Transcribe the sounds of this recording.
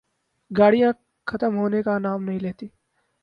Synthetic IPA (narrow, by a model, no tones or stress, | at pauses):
ɡaːɽijã | xʰɐt̪əmɦoːnekanaːmnɐɦĩleːt̪iː